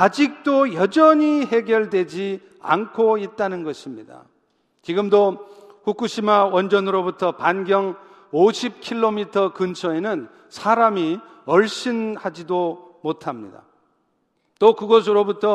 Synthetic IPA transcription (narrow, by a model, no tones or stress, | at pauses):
ad͡ʑik̚t͈ojʌd͡ʑʌɲiɦe̞ɡjʌɭdwe̞d͡ʑi | a̰nkʰoit̚t͈anɯnɡʌɕʰimɲida̰ | t͡ɕiɡɯmdoɸuk͈uɕʰimawʌnd͡ʑʌnɯɾobutʰʌpanɡjʌŋ | oɕʰip̚kʰiɭːomitʰʌkɯnt͡ɕʰʌe̞nɯn | sʰaɾami | ʌɭɕ͈ʰinhad͡ʑido | motʰamɲida̰ | t͈okɯɡʌs̬ʰɯɾobutʰʌ